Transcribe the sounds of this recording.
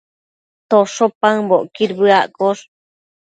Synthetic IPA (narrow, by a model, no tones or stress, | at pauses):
t̪oʂopaŋboʔkiɾbɨaʔkoʂ